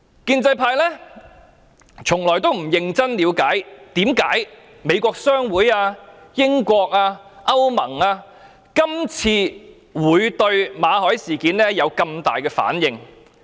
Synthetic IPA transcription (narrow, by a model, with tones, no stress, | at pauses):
kiː˧nt͡sɐ˧jpʰaː˧jlɛː˥ | t͡sʰʊ˨˩ŋlɔː˨˩jt̪o˥wm̩˨˩jɪ˧ŋt͡sɐ˥nliː˨˧wkaː˨˥jt̪iː˨˥mkaː˨˥j | me˨˧jkʷɔː˧k̚sœː˥ŋwuː˨˥jaː˧jɪ˥ŋkʷɔː˧k̚aː˧ | ʔɐ˥wmɐ˨˩ŋaː˧ | kɐ˥mt͡sʰiː˧ | wuː˨˧jt̪ɵ˧ɥmaː˨˧hɔː˨˥jsiː˨˩kiː˨˥nlɛ˥jɐ˨˧wkɐ˧mt̪a̰ː˨jkɛː˧fa̰ː˨˥njɪ˨ŋ